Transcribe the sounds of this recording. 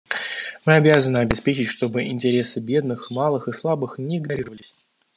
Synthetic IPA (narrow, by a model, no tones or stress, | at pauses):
mɨɐbʲazənɨɐbʲɪspʲet͡ɕɪtʲʂt̪o̞bɨʔɪ̰nʲtʲɪɾʲe̞sɨbʲe̞d̪nɨxmalˠɨxɨslˠabɨxnʲɪɪɡnɐɾʲiɾəvəlʲɪsʲ